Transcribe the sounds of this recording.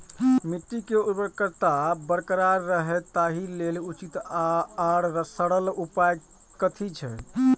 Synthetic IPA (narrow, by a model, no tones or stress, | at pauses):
miʈːikeubəɾkəɾt̪abəɾkəɾaɾːəɦɛt̪aɦilelut͡ʃit̪aɽɾəsəɽəlupaj | kət̪ʰit͡ʃʰɛ